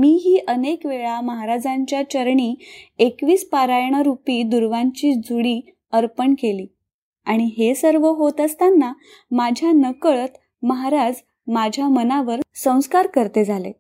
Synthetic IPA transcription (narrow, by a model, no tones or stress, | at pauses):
miːɦiːʔənekʋeɭaməɦaɾad͡zaɲt͡ɕjat͡ɕəɾɳiːekʋiːspaɾajɳ̃əɾupiːd̪uɾʋaɲt͡ɕiːd͡zuɽiː | əɾpəɳkeliː | aɽ̃iɦesəɾʋəɦot̪əst̪anːa | mad͡ʑʱjanəkəɭət̪ | məɦaɾad͡z | mad͡ʑʱjamənaʋəɾsə̃w̃skaɾkəɾt̪ed͡zʱalḛ